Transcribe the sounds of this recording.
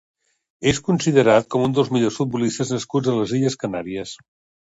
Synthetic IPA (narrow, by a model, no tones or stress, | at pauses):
eskunsiðəɾat̪̚kɔmund̪əlˠzmiʎosfut̪̚bulist̪əznəskud͡zələziʎəskənaɾiəs